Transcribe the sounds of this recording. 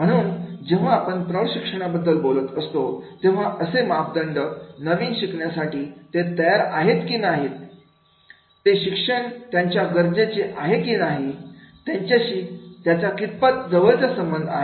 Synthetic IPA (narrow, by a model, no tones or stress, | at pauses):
m̤əɽ̃uːnd͡ʑeʋ̤aːpəɳpɾəɭɕikʂəɽ̃abəd̪ːəlbolət̪əst̪ot̪ẽʋ̤aʔəsemapd̪əɳɖənəʋiːnɕikɳjasaʈiːt̪et̪əjaɾaɦet̪kiːnaɦit̪̚ | eɕikʂəɳt̪jaɲt͡ɕjaɡəɾd͡zet͡seʔaɦekiːnaɦit̪jaɲt͡ɕjaɕiːt̪jat͡sakit̪̚pat̪̚d͡zəʋəlt͡səsəmbənd̪ʱaɦe